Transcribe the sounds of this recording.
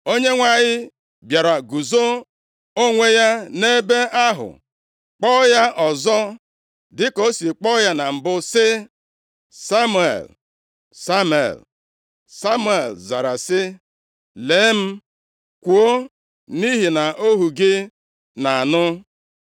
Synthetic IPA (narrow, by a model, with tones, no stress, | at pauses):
o˦ɲe˦ŋʷa˨ɲɪ˦ | bja˨ɾa˨ɡu˨zo˦ | o˦ŋʷe˦ja˦ne˦be˦ʔa˦ɦʊ̰˨ | k͡pɔ˦ja˦ʔɔ˨zɔ˦ | dɪ˦ko˦si˨k͡pɔ˦ja˦na˨m̩˨bʊ˦sɪ˦ | sa˦mu˨ḛ˨l | sa˦m˨ḛ˨l | sa˦mu˦˨e˨lza˨ɾa˨sɪ˦ | le˨˦m̩˦ | kʷu˨o˦ | ni˦ɦi˨na˨ʔo˦ɦu˨ɡɪ˦ | na˨a˨nʊ˦